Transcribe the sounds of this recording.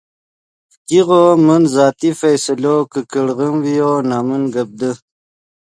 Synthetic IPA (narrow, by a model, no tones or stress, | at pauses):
kiɣomənzɑːt̪ifajsəlokəkəɽɣəmwijonɑːmənɡəb̚d̪ə